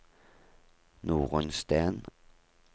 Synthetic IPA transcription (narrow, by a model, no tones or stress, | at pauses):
nuːʁənst̪æːn